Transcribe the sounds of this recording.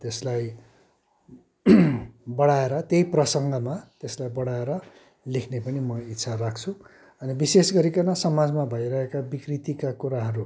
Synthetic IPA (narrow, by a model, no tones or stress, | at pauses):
t̪eslaj | bʌɽaeɾʌt̪ejprʌsʌŋɡʌmat̪eslajbʌɽaeɾʌ | lekʰnepʌnimʌit̪ːsʰarakʰt͡sʰu | ʌnibisesɡʌɾikʌnʌsʌmad͡zmabʱʌjɾʌɦekabikrit̪ikakuɾaɦʌɾu